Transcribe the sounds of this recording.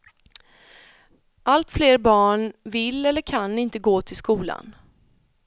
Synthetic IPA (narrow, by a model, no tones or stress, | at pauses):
ʔalt̪fleːɾbɑːɳvɪlːɛlːəɾkʰanːɪnt̪əɡoːt̪ʰɪlskuːla̰n